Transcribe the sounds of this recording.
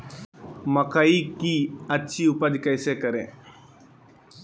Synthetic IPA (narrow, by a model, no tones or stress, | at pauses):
məkaiːkiːɐtːʃʰiːʊpəd̪kəɪseːkəɾḛ̃ː